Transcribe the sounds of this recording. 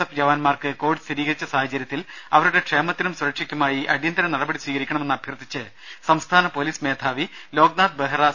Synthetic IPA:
ɐfd͡ʑɐʋɐnmaːrkɨko̞ːʋiɖɨst̪iɾiːɣɐɾit͡ɕːɐsaːɦɐt͡ɕɐɾjɐt̪ːilɐʋɐɾuɽe̞ʈʂeːmɐt̪ːinumsuɾɐkʂikʲːumaːjiʔɐɽijɐnd̪ɐɾɐnɐɽɐbɐɽiswiːɣɐɾikʲːɐɳɐmenːɐbʱjɐrd̪it͡ɕːɨ | sɐmst̪ʰaːnɐpoliːsmeːd̪ʰʱaːʋilo̞ːɡ̚naːd̪̚beɦɐrɐ

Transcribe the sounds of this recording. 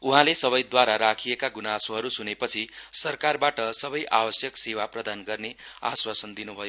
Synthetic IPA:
uɦãlesʌbʌjd̪waɾaɾakʰijekaɡunasoɦʌɾusunepʌt͡sʰisʌrkarbaʈʌsʌbʌjʔabʌsjʌksewaprʌd̪anɡʌrnea̰swasʌnd̪inubʱʌjo

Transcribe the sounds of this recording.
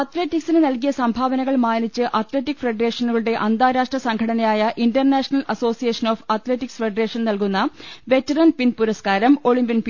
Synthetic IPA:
ɐt̪le̞ːtːiksinɨnɐlkijɐsɐmbʱaːʋɐnɐɣɐɭmaːnit͡ɕːɨʔɐt̪le̞ːʈːikːfre̞ɖɐre̞ːʂɐnuɣɐɭuɽe̞ʔɐnd̪aːɾaːʂʈrɐsɐŋɡʰʱɐɽɐnɐjaːjɐʔindɐrnaːʂɐnɐlɐso̞ːsijeːʂɐno̞ːfɐt̪le̞ːʈːiksfe̞ɖɐre̞ːʂɐnnɐlkunːɐʋe̞tːɐɾɐnpinpuɾɐskaːɾɐmo̞ɭimbinp

